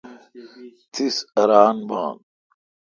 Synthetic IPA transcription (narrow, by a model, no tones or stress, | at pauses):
t̪ʰisɐɾaːnba̰ːn